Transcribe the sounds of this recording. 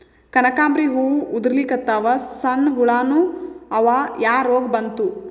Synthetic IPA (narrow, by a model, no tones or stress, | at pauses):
kɐnɐkaːmbɾiɦuːud̪ɾlikɐt̪ːaʋɐsɐnɦuɭaːnuɐʋajaːɾoːɡbɐnt̪u